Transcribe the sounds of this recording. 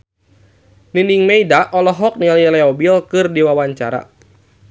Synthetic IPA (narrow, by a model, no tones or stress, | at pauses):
niniŋmeidaʔɔlɔɦɔk̚nililɛɔbilkɨrdiwawaɲt͡ʃaɾa̰